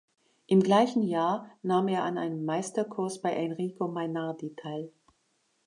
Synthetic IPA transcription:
ʔɪmɡlaɪçn̩jaːɐnaːmeːɐʔanʔa̰ɪnəmːaɪstɐkʰʊɐsb̥aɪʔɛnʁiːkomanaɐditʰaɪl

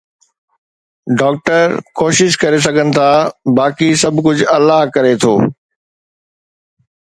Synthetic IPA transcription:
ɖɔːk̚ʈəɾkoːʃɪʃkɐɾes̬ɐɡʱənɪ̆t̪ʰaːbaːkisɐbʱkʊd͡ʑʱɐlaɦkɐɾet̪ʰo̰ː

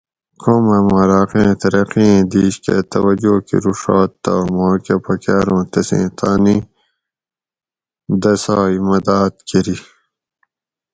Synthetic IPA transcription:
kʰoːmɐmɐɾaːqẽːt̪ɐɾɐqiẽːd̪iːɕkḛt̪ɐwɐd͡ʑoːkḭɾuʂɑːt̪ːamoːkepɐkaːɾõːt̪ɐsḛ̃ːt̪ʰaːni | d̪ɐsaːimɐd̪aːt̪̚keɾi

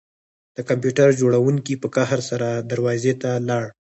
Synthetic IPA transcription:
d̪̥əkampjuʈaɾd͡ʒoɽawuŋkipəkaɦɾsaɾad̪aɾwɑzet̪alɑɽ

